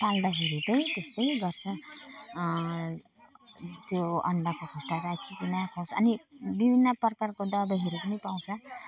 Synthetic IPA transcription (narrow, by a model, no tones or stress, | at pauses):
pald̪aɦiɾut̪ʌjt̪est̪ʌjɡʌrt͡sʰʌ | t̪joʌ̰ɳɖakokʰosʈaɾakʰikinakʰosʌ̰nibibʱinːʌprkarkod̪ʌbʌɦiɾupʌnipaw̃t͡sʰʌ